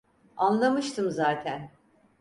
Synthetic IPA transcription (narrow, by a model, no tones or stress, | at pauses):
anlˠamɯʃt̪ʰɯmzaːt̪ʰæn